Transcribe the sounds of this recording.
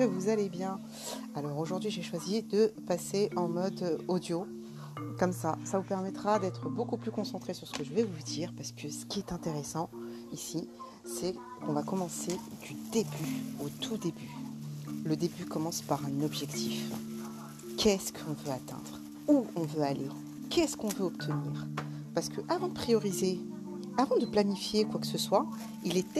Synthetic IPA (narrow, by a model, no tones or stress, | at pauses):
kəvuzalebjɛ̃ | alɔʁoʒuʁd̪ɥiʒeʃwazid̪əpaseʔɑ̃mɔd̪od̪jo | kɔmsasavupɛʁmɛt̪χad̪ɛt̪χəbokuplykɔ̃sɑ̃t̪χesyʁsə̥kəʒəvɛvud̪iːʁpaʁsə̥kʰəsə̥kʲiɛt̪ɛ̃t̪eʁesɑ̃ | isi | sɛ | kɔ̃vakɔmɑ̃sed̪yd̪ebyot̪ʰud̪eby | ləd̪ebykɔmɑ̃spaʁɛ̃nɔbʒɛkt̪ʰif | kʲʰɛskʰəɔ̃vøat̪ɛ̰̃d̪̥ʁ | uɔ̃vøalʔe | kʲɛskɔ̃vøɔpt̪ʰəniːʁ | paʁsə̥kʰəʔavɑ̃d̪əpχijɔʁize | avɑ̃d̪əplanifjekwakə̥səswa | ilɛt̪